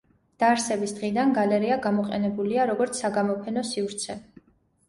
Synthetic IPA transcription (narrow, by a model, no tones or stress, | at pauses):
d̪̥aːɾsɛbisd̪̥ʁid̪anɡalɛɾiaɡamɔqʼɛ̰nɛbuliaɾɔɡɔɾt̪sʰːaɡamɔpʰɛnɔsifɾt̪sʰɛ